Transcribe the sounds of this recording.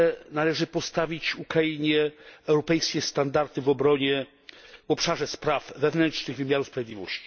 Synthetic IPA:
nalɛʐɘpɔst̪avʲit͡ɕukɾajiɲɛɛwɾɔpɛjskʲɛst̪and̪aɾt̪ɘvɔbɾɔɲɛ | vɔpʂaʐɛspɾafːɛvnɛnʂnɘɣvɘmʲjaɾuspɾavʲed̪ʲivɔ̰ɕt͡ɕi̥

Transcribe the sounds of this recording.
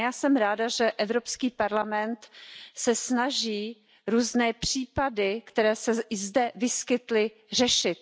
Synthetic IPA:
jaːsɛmɾaːdaʒɛʔɛvɾo̞pskiːpaɾlamɛnt̪sɛsnaʒiː | ɾuːznɛːpr̥iːpadɪkt̪ɛɾɛːsɛɪzdɛvɪskɪt̪lɪ | r̝ɛʃɪt̪̚

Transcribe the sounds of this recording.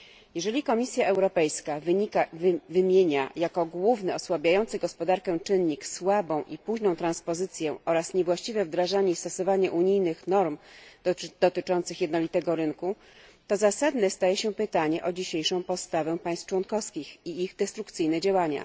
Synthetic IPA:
jɛʐɛlʲikɔmʲisʲjaʔɛwɾɔpɛjskavkavɘmʲjeɲajakɔɡwuvnɛɔswabʲjajɔnt̪sɘɡɔspɔd̪aɾkɛ̃t͡ʂɘnːɲikswabɔ̃w̃ʔipuʑnɔ̃w̃t̪ɾãnspɔzɘt̪sʲjɛɔɾasɲɛvwaɕt͡ɕivɛvd̪ɾaʐaɲest̪ɔsɔvaɲɛʔuɲijnɘxnɔɾm | d̪̥ɔt̪ɘt͡ʂɔnt̪sɘxjɛd̪nɔlʲit̪ɛɡɔɾɘnku | t̪ɔzasad̪nɛst̪ajɛɕɛpɘt̪aɲɛʔɔd͡ʑiɕejʂɔ̃w̃pɔt̪st̪avɛ̃paj̃st̪ft͡ʂwɔnkɔfskʲixiiɣd̪ɛst̪ɾukt̪sɘjnɛd͡ʑawaɲa̰

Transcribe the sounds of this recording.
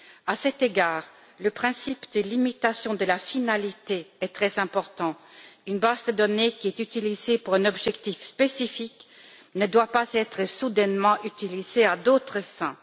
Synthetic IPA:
asɛt̪eɡaːʁ | ləpχɛ̃sipd̪əlimit̪asjɔ̃d̪əlafinalit̪eɛt̪χɛzɛ̃pɔʁt̪ɑ̃ynbazd̪əd̪ɔnekʲiɛt̪yt̪ilizepuʁɛ̃nɔbʒɛkt̪ifspesifiknəd̪wapazɛt̪χəsud̪ɛnmɑ̃ʔyt̪ilizead̪ot̪χəfɛ̃

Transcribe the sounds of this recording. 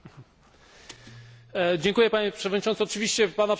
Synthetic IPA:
d͡ʑɛŋkujɛpaɲɛpʂɛvɔd̪ɲitɔnt̪ɔt͡ʂɨvʲiɕt͡ɕɛpanap

